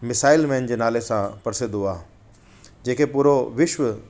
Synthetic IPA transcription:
mɪsaːɪlmɛ̃ːnd͡ʑeːnaːlesãpɐɽsẽːd̪uaː | d͡ʑeːkepuːɾoʋɪʃʋə

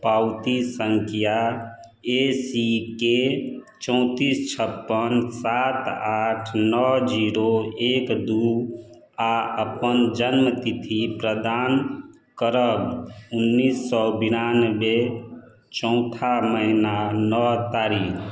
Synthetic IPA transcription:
pawt̪isəŋkʰija | esike | t͡ʃɔ̃ʊ̃t̪ist͡ʃʰəpːənsat̪aʈʰnɔd͡ʒiɾoekd̪u | aəpənd͡ʒənmət̪it̪ʰipɾəd̪an | kəɾəbunːisːɔbinanəbe | t͡ʃɔ̃ʊ̃t̪ʰaməɦinanɔt̪aɾikʰ

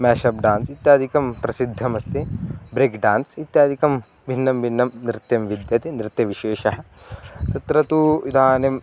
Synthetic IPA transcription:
mɛːʃɐpɖaːnsit̪jaːd̪ʱikɐmpɾɐsid̪ʱːɐmɐst̪ʰibɾeːkɖaːnsit̪jaːd̪ʱikɐm | bʱinːɐmbʱinːɐmnɾɪt̪jɐmʋid̪jɐt̪inɾɪt̪jɐʋiʃeːʃɐɦɐ̆ | t̪ɐt̪ɾɐt̪uid̪ʱaːnem

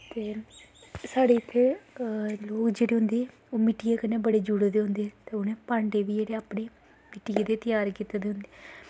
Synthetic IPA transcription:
t̪eː | saːɽeːɪt̪ʰːe | loːkd͡ʒeːɽeːɦʊnd̪eː | oːmɪʈijeːkəneːbəɽeːd͡ʒʊɽeːd̪eːɦʊnd̪eːt̪eːʊnẽːpaːɳɖeːʋiːd͡ʒeːɽeːaːpɳeː | mɪʈieːd̪eːt̪ɪjaːɾkit̪ed̪eːɦʊ̃nd̪eː

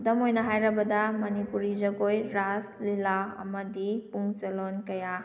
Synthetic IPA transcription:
dɐmojnɐɦajɾɐbɐdɐmɐnipuɾizɐɡojɾaslilaɐ̰mɐdipuŋselonkɐja

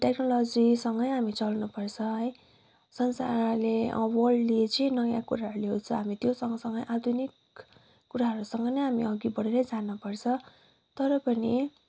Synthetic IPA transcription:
ʈeknolʌd͡zisʌŋɡʌjɦamit͡sʌlnupʌrt͡sʰʌɦʌj | sʌnsa̰rleʌ̰wʌrɖliet͡sʌĩnʌjãkuɾaɦʌɾuleɦot͡sʰʌɦamit̪josʌŋɡʌsʌŋɡʌjʔad̪ʱunikː | uɾaɦʌɾusʌŋɡʌnʌjɦamiʌɡibʌɽeɾʌd͡zanupʌrt͡sʰʌ | t̪ʌɾʌpʌni

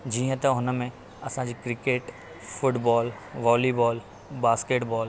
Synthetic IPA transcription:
d͡ʑiːə̃t̪ɐɦʊnəmẽ | ɐsãd͡ʑiːkɾɪkeːʈ | fʊʈbɔːl | ʋaːlibɔːl | baːskeːʈbɔːl

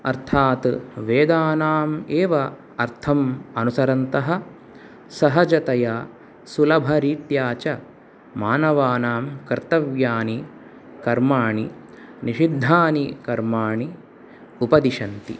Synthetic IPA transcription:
ɐ̰ɾt̪ʰaːt̪ʋeːd̪aːnaːmeːʋɐ | ɐɾt̪ʰɐmɐnusɐɾɐnt̪ɐɦɐ̆ | sɐɦɐd͡ʒɐt̪ɐja | sulɐbʱɐɾiːt̪jaːt͡ʃɐ | maːnɐʋaːnaːmkɐɾt̪ɐʋjaːni | kɐɾmaːɳi | niʃid̪ʱːaːnikɐɾmaːɳi | upɐd̪iʃɐnt̪ḭ

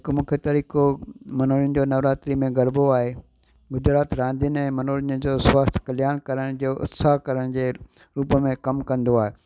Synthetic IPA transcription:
ɪkmũːkʰet̪ɐɾiːkomɐnoːlən̆d͡ʑoːnɐʋɾaːt̪ɾimẽɡɐɾboaːɦe | ɡʊd͡ʑɾaːt̪ɾãːnd̪ənɛ̃ːmɐnoːlɪnd͡ʑoːswaːst̪ʰkɐljaːɽ̃kɐɾəɽ̃d͡ʑoːʔʊ̰t̪saɦkɐɾəɽ̃d͡ʑeː | ɾuːpəmẽkɐmkɐ̃nd̪oaːɦeː

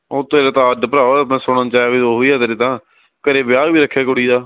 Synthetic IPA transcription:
oːt̪eːɾet̪ãːəɖpəɾaːoːəpnɛ̃ːsoɽãːt͡ʃaːaːʋiːoːɦoːiːaːt̪eːɾeːt̪ãː | kəɾeːbɪjaːbiːɾəkʰːjaːkʊɽiːd̪aː

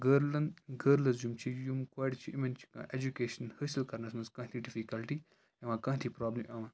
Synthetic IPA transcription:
ɡəɾlɐnd̪ɡəɾlɐzjumt͡ʃʰijumkwaːɖt͡ʃʰiimɐnt͡ʃʰi̥kã̰ʔed͡ʒukeːʃɐnhəsilkɐɾnɐsmɐnzkɐ̃ːt̪ʰiɖifikɐlʈiː | ɐʋãːkɐ̃ːt̪ʰiːpɾaːblimʔɐʋãː

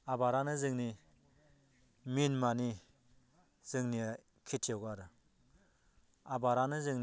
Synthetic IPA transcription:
abaɾanɯzɯŋni | minmani | z̥ɯŋnia | kʰitʰiawɡaɾɯ | abaɾanɯzɯŋn

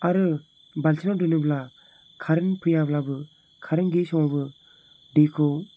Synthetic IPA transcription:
aɾɯ | balt͡ʃʰinɔdɯnɯbla | kʰaɾɯnpʰɯjablabɯ | kʰaɾɯnɡesɔŋɔbɯ | dekʰɯw

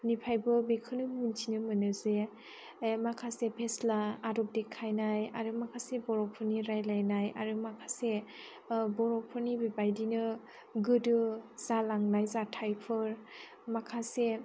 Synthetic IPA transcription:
nipʰajbɯbekʰɯnɯmintʰinɯmɯnɯze | makʰasepʰeslaːdɔp̚dekʰajnajaɾɯmakʰasebɔɾɔpʰɯniɾajlajnaja̰ɾɯmakʰase | bɔɾɔpʰɯɾnibebajdinɯ | ɡɯdɯz̥alaŋnajzatʰajpʰɯɾ | makʰase

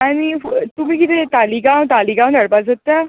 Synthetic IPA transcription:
aɽ̃it̪um̤iːkit̪ʰet̪aliɡãw̃t̪aliɡãw̃d̪ʱəɽpad͡zət̪ja

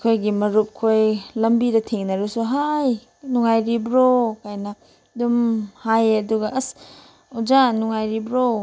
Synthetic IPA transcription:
kʰojɡimɐɾup̚kʰojlɐmbidɐtʰeŋnɐɾusuɦaj | nuŋajɾibɾokajnɐ | dumhajɐduɡɐʔɐs | ud͡ʒanuŋajɾibɾo

